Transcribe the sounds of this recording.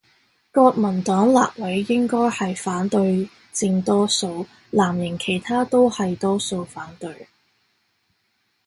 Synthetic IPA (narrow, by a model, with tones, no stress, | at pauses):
kɔː˧k̚mɐ˨˩nt̪ɔː˨˥ŋla̰ː˨p̚wɐ˨˥jːɪ˥ŋkɔː˥jhɐ˨jfaː˨˥nt̪ɵ˧ɥ | t͡sɪ˧ŋt̪ɔː˥so˧w | laː˨˩mjɪ˨˩ŋkʰe˨˩jt̪ʰaː˥t̪o˥whɐ˨jt̪ɔː˥so˧wfaː˨˥nt̪ɵ˧ɥ